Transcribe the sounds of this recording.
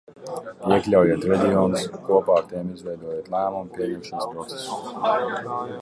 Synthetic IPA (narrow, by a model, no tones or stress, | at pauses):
iɛklʲawjiɛt̪ɾɛd̪ʲioːnuskuɔpaːɾt̪ɛmizvʲɛjd̪uɔjeɛt̪lˠæːmumpʲiɛɲɛmʃanspɾɔt̪se̥su